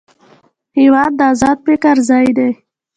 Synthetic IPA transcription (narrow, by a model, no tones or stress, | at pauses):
hɪwɑd̪̚ːəɑzɑd̪̚pekaɾzɑjd̪ej